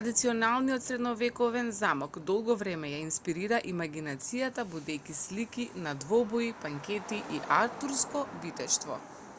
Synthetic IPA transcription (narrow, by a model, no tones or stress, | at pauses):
ad̪it̪siɔnalˠnijɔt̪sɾɛd̪nɔvɛkɔvɛnzamɔkd̪ɔlˠɡɔvɾɛmɛjainspiɾiɾaʔimaɡinat̪sijat̪abud̪ɛjkislikinad̪vɔbɔipaŋkʲɛt̪iʔiʔaɾt̪uɾskɔbit̪ɛʃt̪vɔ̰